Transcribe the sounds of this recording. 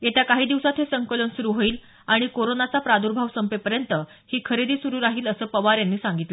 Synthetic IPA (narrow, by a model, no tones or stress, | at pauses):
jet̪jakaɦiːd̪iʋsat̪ɦesəŋkələnsuɾuːɦoiːl | aɽ̃ikoɾonat͡sapɾad̪uɾbʱaʋsəmpepəɾjənt̪ə | hiːkʰəɾed̪ʱiːsuɾuːɾaɦiːləsəːpəʋaɾjanːiːsãŋɡit̪le